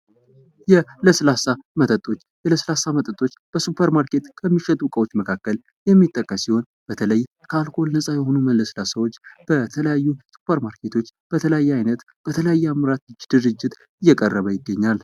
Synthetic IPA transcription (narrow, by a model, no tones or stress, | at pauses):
jɛləslasamət̪ʰʼət̪ʼo̞t͡ʃːjɛləslasamət̪ʼət̪ʼot͡ʃːb̥əsupʰəɾmaɾke̞t̪kʰəmːiʃɛt̪ʼukʼəwo̞t͡ʃːməkʰakːəl | jɛmːit̪ʼːəkʼːəsiho̞n | b̥ət̪ʰələj | kʰalkʰo̞lnəsʼajɛho̞numənlːəslasəwo̞t͡ʃːb̥ət̪ʰələjajːusu̥pʰəɾmaɾkʰe̞t̪ʰo̞t͡ʃːb̥ət̪ʰələjajːajnət̪ | b̥ət̪ʰələjajːɛamɾat̪ɨd͡ʒd̪̥ɨɾɨd͡ʒːɪt̪ | ɨjːɛkʼərːəβəjɪɡːəɲːal